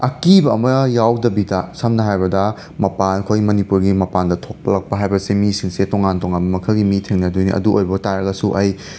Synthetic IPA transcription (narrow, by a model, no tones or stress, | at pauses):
ɐkibɐɐmɐjawdɐbidɐsɐmnɐɦajbɐdɐ | mɐpankʰojɡimɐnipuɾɡimɐpandɐtʰok̚pɐlɐk̚pɐɦajbɐsemisiŋsetoŋantoŋanbɐmɐkʰaɡimitʰeŋnɐdujnḭʔɐ̰duojbɐɐtaɾɐɡɐsuʔɐj